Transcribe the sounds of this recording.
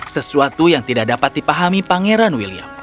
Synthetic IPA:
səsuat̪ujaŋt̪idak̚dapat̪̚dipaɦamipaŋeɾanwilia̰

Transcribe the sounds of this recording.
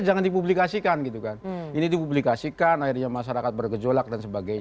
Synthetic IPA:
d͡ʒaŋandip̬ublikasikanɡit̪ukaninid̪ipublikasikanairɲamaʃaɾakat̪̚bərɡəd͡ʒolak̚dansəbaɡajɲ

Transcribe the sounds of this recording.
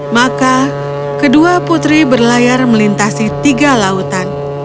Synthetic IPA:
maka | kəduaput̪ɾibərlajarməlint̪asit̪iɡalaut̪an

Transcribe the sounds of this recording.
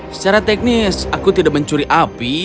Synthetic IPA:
sə̥t͡ʃaɾat̪ɛk̚nɪsakut̪idaʔ̚məɲt͡ʃuɾiʔapi

